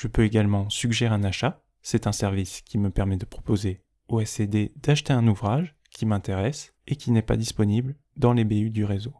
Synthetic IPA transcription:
ʒ̥əpøeɡalmɑ̃syɡʒɛʁɛ̃naʃa | sɛt̪ɛ̃sɛʁviskʲiməpɛʁmɛd̪əpχɔ̥poze | oɛsed̪ed̪aʃt̪eɛ̃nuvʁaʒ | kʲimɛ̃t̪eʁɛs | ekʲinɛpa̰d̪ispɔnibl | d̪ɑ̃lebeyd̪yʁezo

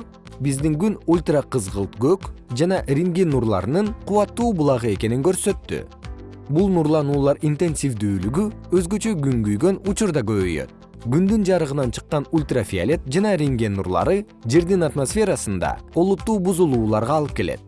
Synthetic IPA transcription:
bizd̪iŋɡynulʲt̪raqɯzʁɯlˠt̪ɡøkd͡ʒɑnɑɾʲiŋɡenːuɾlˠɑ̰ɾnɯɴqʰuwɑt̪ːuːbulˠɑʁɯe̞ke̞niŋkø̞ɾsø̞t̪ːy̰ | bulˠnuɾlˠɑnuːlˠɑɾint̪e̞nsʲifd̪yːlyɡyø̞zɡø̞t͡ʃø̞ɡyŋɡyjɡø̞nut͡ʃuɾd̪ɑɡø̞βøjø̰t̪̚ | ɡynd̪ynd͡ʒɑɾɯʁɯnɑnt͡ʃʰɯ̥qːɑnulʲt̪rafʲia̰lʲe̞t̪̚d͡ʒɑnɑɾʲiŋɡʲenːṵɾlˠɑ̰ɾɯ | d͡ʒe̞ɾd̪inat̪mosfʲe̞ɾasɯnd̪ɑ̰o̞lˠut̪ːuːbuzulˠuːlˠɑɾʁɑːlˠɯp̚ke̞lḛt̪̚

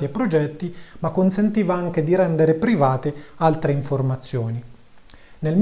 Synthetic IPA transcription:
iepːɾod͡ʒɛt̪ːimakːonsent̪iːvaaŋk̟ed̪iɾɛnd̪eɾepɾivaːt̪ealt̪ɾeiɱformat̪sːjoːni | nelm

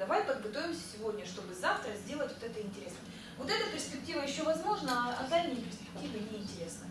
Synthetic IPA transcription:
d̪ɐvajpəd̪̚bɨt̪ovʲɪmsʲə̥sʲɪvo̞dʲnʲəʂt̪o̞bɨzaft̪ɾəzʲdʲe̞lˠətʲvot̪ɛt̪əɪnʲtʲɪɾʲe̞snə | vo̞t̪ɛt̪əpʲɪrspʲɪk̚tʲivəjɪɕːovɐzmo̞ʐnəɐd̪alʲnʲɨjɪpʲɪrspʲɪ̥k̚tʲivɨnʲɪɪnʲtʲɪɾʲe̞snə

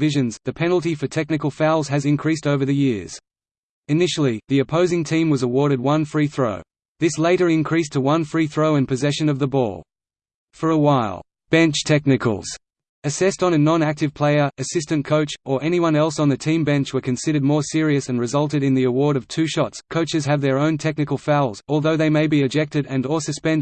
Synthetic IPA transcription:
vɪʒɨ̃nzðɨpʰɛnl̩ˠtifə˞tʰɛk̚nɨkəl̩ˠfaʊlˠz̥ɨzɨ̃nkʰɹ̥istoʊvə˞ðɨjɪɹz̥ | ɨnɪʃl̩ˠiðiɨpʰoʊzɪ̃ŋtʰĩmwʌzəwɔɹɾɨd̚wʌ̃nfɹiθɹoʊ | ðɪsleɪɾə˞ɨ̃nkʰɹ̥istʰəwʌ̃nfɹiθɹoʊɨ̃npʰɨzɛʃɨ̃nʌvðəbɔ̰lˠ | fə˞əwaɪlˠ | b̥ɛ̃nt͡ʃtʰɛk̚nɨkʰə̰l̩ˠz̥ | ɨsɛstn̩ɨnɑ̃næk̚tɨv̥pʰl̥eɪə˞ɨsɪstɨ̃nkʰoʊt͡ʃə˞ʔɛñiwʌ̃nɛlˠsn̩ðɨtʰĩmbɛ̃nt͡ʃwə˞kɨ̃nsɪɾə˞d̚mɔɹsɪɹiɨsɨ̃n̩ɹɨzʌlˠtɨɾɨ̃nðiəwɔɹɾʌv̥tʰʉʃɑtskʰoʊt͡ʃɨz̥ɨvðə˞õʊ̃ntʰɛk̚nɨkl̩ˠfaɪlˠzɔlˠðoʊðeɪmeɪbiɨd͡ʒɛk̚tɨɾɨ̃nəsɨspɛ̃n

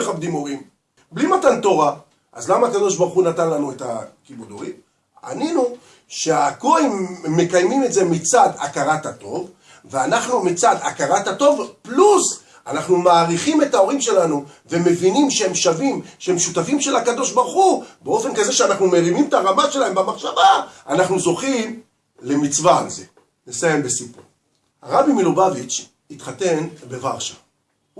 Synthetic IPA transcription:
eχabd̪imo̞ʁim | blimatant̪o̞ʁa | ʔazlamaːkad̪o̞ʃbaʁχunatanlanueta̰kibud̪o̞ʁḭm | a̰ninu | ʃeakoaimmːe̞kajmime̞tze̞mit͡sad̪a̰kaʁatato̞v | veanaχnumit͡sad̪a̰kaʁatato̞vplus | anaχnumaːʁiχime̞tao̞ʁimʃe̞lanu | ve̞me̞vinimʃeemʃavimʃeemʃut̪afimʃe̞lhakad̪o̞ʃbaʁχubeo̞fe̞nkaze̞ʃeanaχnumeʁimimt̪aʁamaʃelahembamaχʃavaanaχnuzo̞χim | le̞mit͡svaa̰lze̞ | nesaje̞mbesipṵʁ | ha̰ʁabimilubavit͡ʃ | it̪χate̞nbe̞va̰ʁʃḁ

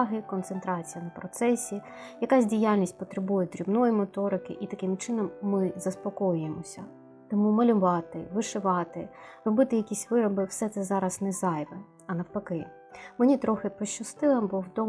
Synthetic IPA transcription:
ɦɪkɔnt̪sent̪ɾɑt͡sʲijɐnɐpɾɔt̪sɛsʲi | jɐkasʲdʲijalʲnʲisʲtʲpɔt̪ɾebujɛd̪ɾʲibnɔjimɔt̪ɔɾɪkɪʔit̪ɐkɪmt͡ʃɪnɔmːɪzɐspɔkɔjʊjemɔsʲɐ | t̪ɔmumɐlʲʊʋɑt̪ɪʋɪʃɪʋɑt̪ɪrɔbɪt̪ɪjɐkʲisʲʋɪɾɔbɪwsɛt̪sɛzɑɾɐznɛzɑjʋɛ | ɐnɐwpɐkɪ | menʲit̪ɾɔxɪpɔʃt͡ʃːɐst̪ɪlˠɪmbɔwd̪ɔ

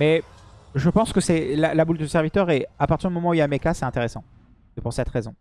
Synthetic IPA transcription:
mɛʒəpɑ̃skəsɛlalabuld̪əsɛʁvit̪œʁeapaʁt̪iʁd̪ymɔmɑ̃uiamekasɛt̪ɛ̃t̪eʁesɑ̃ | əpuʁsɛt̪χezɔ̃

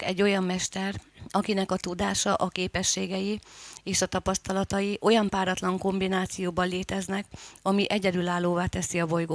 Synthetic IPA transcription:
kɛɟːo̞jɒmːɛʃt̪ɛrɒkinɛkɒt̪ud̪aːʃɒʔɒkeːpɛʃːeːɡɛjieːʃɒt̪ɒpɒst̪ɒlɒt̪ɒjiʔo̞jɒmpaːɾɒt̪lɒŋko̞mbinaːt̪sijoːbɒlleːt̪ɛznɛkɒmiʔɛɟɛd̪ylaːlːoːvaːt̪ɛsiɒbo̞jɡoː

